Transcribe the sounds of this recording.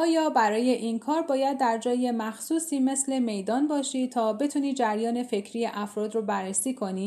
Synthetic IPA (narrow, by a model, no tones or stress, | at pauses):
ɒːjɒːbæɾɒːje̞ʔinkʰɒːɾbɒːjæd̪̚ːæɾd͡ʒɒːje̞mæxsuːsiːme̞sle̞me̞jd̪ɒːnbɒːʃiːt̪ʰɒːbe̞t̪ʰuːniːd͡ʒæɾjɒːne̞fe̞cʰɾijeʔæfɾɒːd̪ɾobærːesiːkʰo̞niː